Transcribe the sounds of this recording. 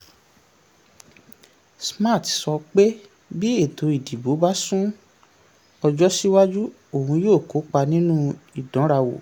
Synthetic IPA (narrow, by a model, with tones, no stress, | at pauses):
sma˦˨tsɔ˧k͡pe˦ | bi˦e˦˨tʰo˨˧i˨di˨bo˨˦ba˦sũ˦ | ɔ˧d͡ʒɔ˦si˦wa˦d͡ʒu˦ | o˦˨hũ˧joː˦˨ko˨˦k͡pa˧nĩ˦nũ˦i˨dɔ̃˨˦ɾa˧wo̰˨